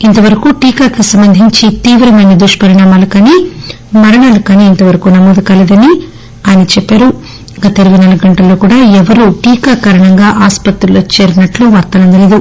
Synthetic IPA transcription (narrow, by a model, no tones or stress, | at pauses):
int̪ɐʋɐɾɐkuʈiːkaːkɐsɐmbɐnd̪ʱiɲt͡ʃit̪iːʋɾɐmɐːnɐd̪uʂʈɐ̥pɐɾinaːmaːlukaːniː | mɐɾɐɳaːlukaːniːnt̪ɐʋɐɾɐkunɐmɔːd̪ukɐlɐd̪ɐni | aːjnɐt͡ʃɛpːaːɾu | ɡɐt̪ɐeɾɐbd̪inaːlɐɡuɡɐɳʈɐlːo̞ːkuːɽaːɛʋɐɾuʈiːkaːkaːɾɐɳɐŋɡaːʔaːspɐt̪ɾulo̞ːt͡ʃeːɾinɐʈluʋɐɾt̪ɐlɐnd̪ɐleːd̪u